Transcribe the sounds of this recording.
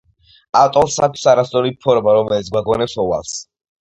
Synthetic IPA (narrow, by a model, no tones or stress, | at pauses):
at̪ʼɔmsakʰi̥saɾasʼɔnipʰɔɾmaɾɔmɛlit̪s̬ɡwaɡɔnɛpsɔwa̰lˠs